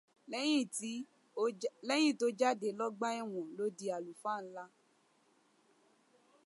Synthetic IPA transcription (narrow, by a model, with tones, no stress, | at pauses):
j̃ĩ˦˨ti˦ | lɛ˦j̃ĩ˦˨to˧˦d͡ʒa˦de˨˦lɔ˦ɡ͡ba˦ɛ˦˨w̃ɔ̃˨lo˨˦di˧a˨lu˨fa˦˨n̩˦la˦